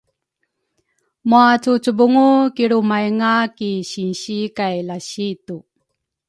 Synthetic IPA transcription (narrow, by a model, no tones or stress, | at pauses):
muat͡sut͡subuŋukiɭumajŋakiɕinɕikajlaɕitu